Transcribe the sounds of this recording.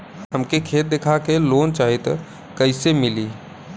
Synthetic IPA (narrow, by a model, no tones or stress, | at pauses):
ɦəmkekʰeːt̪̚d̪ekʰakeloːnt͡ʃaːɦit̪ | kəɪsemɪliː